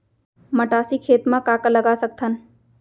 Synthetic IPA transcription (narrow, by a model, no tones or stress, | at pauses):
məʈaːsikʰeːt̪mãkaːkaləɡasək̚t̪ʰən